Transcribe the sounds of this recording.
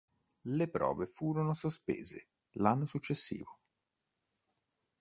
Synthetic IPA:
lepɾɔ̰ːvefuːɾonosospḛːzḛ | lanːosut͡ʃːesːḭːvo

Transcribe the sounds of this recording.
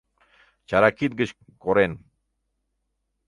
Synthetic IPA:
t͡ʃaɾakit̪̚ɡət͡ʃ | koɾen

